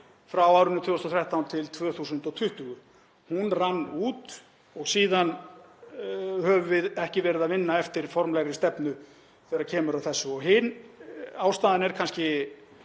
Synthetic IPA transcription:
fɾawawɾɪnːʏt̪ʰvʏst̪ɔθʰɾɛht̪awnt̪ʰɪlt̪ʰvœːθusʏnt̪ɔwt̪ʰʏht̪ʏɣʏ | hunranːuːt̪ | ɔɣsiːðan | hœvʏvɪðɛhcɪvɛːɾɪðaðvɪnːaɛft̪ɪɾ̥fɔɾmlɛɣɾɪst̪ɛpnʏ | θɛːɾaɾcʰɛːmʏɾawθɛsːʏɔɣɦɪnaːwst̪aːðɪnɛɾ̥kʰanscɪ

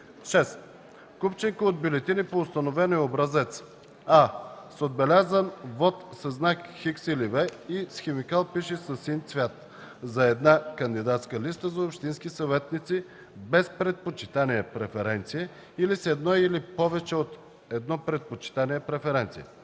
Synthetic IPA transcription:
ʃɛst̪ | kupt͡ʃɛŋkəod̪̚bʲulɛt̪inipoːst̪ɐnovɛnoɛobɾɐzɛt̪s | asod̪̚bɛlʲazənvɔt̪səznakxiksilivɛisxɛmikalˠpiʃɛsɐsint̪svʲjat̪ | zɐɛd̪nakənd̪id̪at̪skəlist̪əzɐopʃt̪inskisɐvɛt̪nit̪si | bɛspɾɛt̪̚pot͡ʃit̪aniɛpɾɛfɛɾɛnt̪sijɛ | ilisɛd̪nɔilipɔvɛt͡ʃɛot̪ | ɛd̪nɔpɾɛt̪̚pot͡ʃi̥t̪aniɛpɾɛfɛɾɛnt̪sijɛ

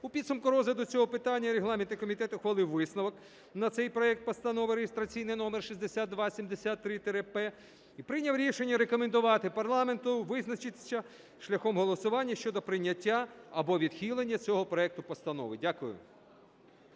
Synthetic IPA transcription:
ʊpʲid̪sʊmkʊɾɔzɐd̪ɔt͡sʲɔɦɔpɪt̪ɑnʲːɐɾeɦlˠɑmʲent̪ɪkɔmʲit̪ɛt̪ʊxʋɐlˠɪwʋɪsnɐʋɔk | nɐt̪sɛjpɾɔɛk̚t̪̚pɔst̪ɐnɔʋɪɾeɦest̪ɾɐt͡sʲijnɪjnɔmerʃizʲd̪esʲad̪̚d̪ʋɑsʲimd̪esʲat̪ːɾɪt̪eɾepɛ | ipɾɪnʲɐwɾʲiʃe̞nʲːɐɾekɔmend̪ʊʋɑt̪ɪpɐrlˠɑme̞nt̪ʊʋɪznɐt͡ʃɪt̪sʲɐ | ʃlʲɐxɔmɦɔlˠɔsʊʋɑnʲːɐʃt͡ʃɔd̪ɔpɾɪnʲːɐtʲːaɐbɔʋʲid̪̥xʲilˠenʲːɐt͡sʲɔɦɔpɾɔɛk̚t̪ʊpɔst̪ɐnɔ̰ʋɪdʲakʊjʊ̰

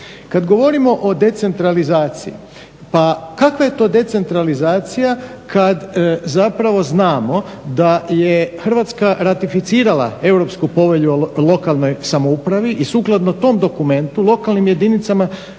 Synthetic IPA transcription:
kad̪ɡo̞ʋo̞ɾimo̞ʔo̞d̪e̞t̪se̞nt̪ɾalizaːt̪sḭjḭ | pakakʋaje̞t̪o̞ːd̪e̞t̪se̞nt̪ɾalizaːt̪sijakʰad̪zapɾaʋo̞znaːmo̞d̪aje̞xrʋat̪skaɾat̪ifit̪siːɾalˠa̰e̞wɾo̞pskupo̞ʋe̞ʎuolˠo̞kalˠno̞jsamoupɾaʋiʔisuːklˠad̪not̪o̞md̪o̞kume̞nt̪ulˠo̞kalˠnimje̞d̪init̪sama

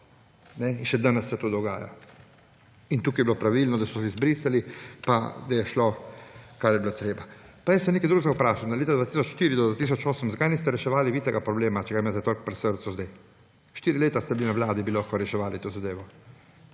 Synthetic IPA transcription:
nɛinʃɛd̪anɛsːɛt̪od̪ɔɡa̰ːja̰ | int̪uːkijɛbilopɾaʋilnɔd̪asɔsizbɾiːsalipad̪ajɛʃlokaːɾjɛbilot̪ɾeːbapajəst̪ɛmnekad̪ɾuɡzaupɾaːʃand̪aleːt̪ad̪ʋat̪isɔt͡ʃʃt̪iɾid̪ɔd̪vat̪is̬ɔt͡ʃoːsəmzakajnist̪ɛɾɛʃɛʋaːliʋit̪ɛɡapɾɔbleːmat͡ʃɛɡaimaːt̪ɛt̪olʲkpɾɛsəɾt̪suzd̪aj | ʃt̪iːɾileːt̪ast̪ɛbilinawlaːd̪ibilokoɾɛʃɛʋaːlit̪oːzad̪eːʋɔ

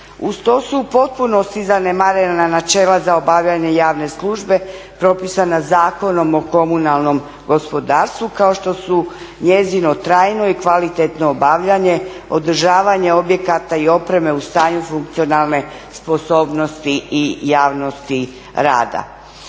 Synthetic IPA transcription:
ust̪osupo̞t̪̚puno̞st̪izanemaɾenananat͡ʃeːlazaobaʋʎaɲe̞jaːʋne̞slˠuʒbe̞pɾo̞pisanazaːko̞no̞mo̞ko̞munalˠno̞m | ɡo̞spo̞d̪aːɾst̪ʋukao̞ʃt̪o̞su | ɲe̞zino̞t̪ɾaːjno̞ikʋalit̪et̪no̞ːbaʋʎaɲe̞ | od̪əɾ̩ʒaːʋaɲe̞o̞bje̞kat̪aio̞pɾe̞me̞ust̪aːɲufuŋk̚t̪sio̞nalˠne̞spo̞so̞ːbno̞st̪iʔijaːʋno̞st̪i | ɾa̰ːd̪a̰

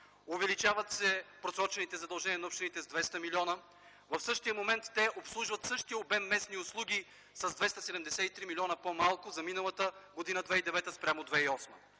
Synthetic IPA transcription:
ʊvɛlit͡ʃavət̪sɛpɾosɾɔt͡ʃɛnit̪ɛzɐd̪ɐlˠʒɛniənɐupʃt̪init̪ɛzd̪vɛst̪əmiliɔnə | vɐfsɤʃt̪ijəmomɛnt̪ːɛʔopslˠuʒvɐt̪sɤʃt̪iəobɛmːɛsniʊslˠuɡʲi | sɐzd̪vɛst̪ɐsɛd̪ɛmd̪ɛsɛit̪ɾimilʲiɔnəpomalˠkʊzɐminɐlˠət̪əɡod̪inəd̪vɛid̪ɛvɛt̪əspɾʲamʊd̪vɛiɔsmə

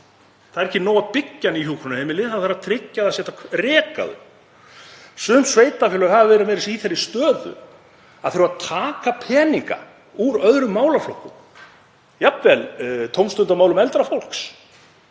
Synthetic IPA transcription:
θaðɾɛhcːɪnoːwapɪcːaniçuːkʰɾʏnaɛmɪlɪðθaθaɾaðt̪ʰɾɪcːaðasjɛht̪akʰrɛːka̰ðʏ̰ | sʏnsveːjt̪afɛlʏɣhaðavɛːɾamɛːɾɪsiθɛɾɪst̪œːðʏ̰ | aðθeɾʏvaðt̪ʰaːkapʰɛːniŋka̰ | uɾœðɾʏmːaːwlaflowkːʏ̰m | japvɛlt̪ʰowmst̪ʏnt̪amaːwlʏmɛlt̪ɾafowl̥ks

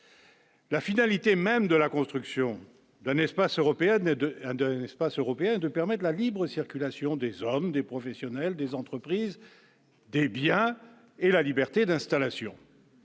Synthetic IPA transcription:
lafinalit̪emɛmd̪əlakɔ̃st̪χyksjɔ̃ | d̪ɛ̃nɛspasøʁɔpeɛñd̪ɛ̃nɛspasøʁɔpeɛ̃ɛd̪əpɛʁmɛt̪lalibʁəsiʁkʲylasjɔ̃d̪ezɔmd̪epχɔfɛsjɔnɛld̪ezɑ̃t̪χəpχiz | d̪ebjɛ̃ | elalibɛʁt̪ed̪ɛ̃st̪alasjɔ̰̃

